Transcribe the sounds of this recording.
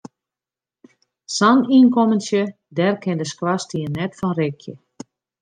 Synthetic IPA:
saniənkomənsjə | dɛrkʰɪndəskrastiənɛtfɔnrɪkʰjə̰

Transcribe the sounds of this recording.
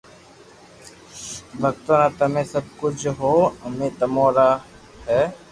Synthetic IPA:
bʱɐk̚t̪oːnãt̪ɐmẽːsəb̚kʊt͡ʃʰɦoːəmẽːt̪ɐmoːɾaː | hɛː

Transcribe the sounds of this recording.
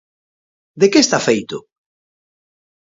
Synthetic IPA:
d̪ekeːst̪afejt̪ʊ

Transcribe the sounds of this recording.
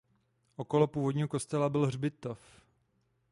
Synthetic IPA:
ʔoko̞lopuːvo̞dɲiːɦoko̞st̪ɛlabɪlrbɪt̪of

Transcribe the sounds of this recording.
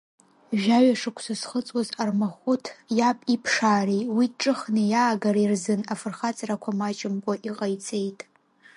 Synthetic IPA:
ʒᶣaɥaʂɨkʷʰsasχət͡sʼwazarmaχʷʊtʰjapʼipʰʂaːriwiʈ͡ʂʼɨχnɨjaːɡaɾairzɨnafɨrχat͡sʼarakʷʰamat͡ʃʼɪmkʷʼaʔiqʼajt͡sʰe̞jtʼ

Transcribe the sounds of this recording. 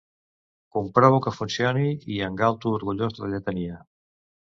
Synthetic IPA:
kumpɾɔβukəfunsjoniiəŋɡalt̪uːɾɣuʎozdðəʎet̪ənia

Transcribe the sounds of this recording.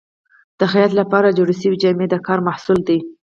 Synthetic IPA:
d̪̥əxajat̪lapɑɾad͡ʒoɽəʃəwid͡ʒɑmed̪əkɑɾmahsuld̪i

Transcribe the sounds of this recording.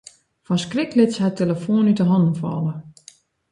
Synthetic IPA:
fɔnskrɪklɪtshɛtʰeləfoːnytəɦɔndn̩fɔ̰lə

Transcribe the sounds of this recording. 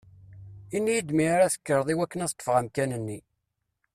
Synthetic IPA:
inːijid̪miaɾæθə̥kːəɾˤðˤiwækːənæθt̪ˤːə̥fʁæmkænənːi

